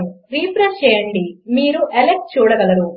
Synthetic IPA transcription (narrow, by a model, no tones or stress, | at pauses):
uɾiːpɾɐst͡ʃejɐɳɖimiːɾuʔelek̚t͡ʃuːɽɐɡɐlɐd̪u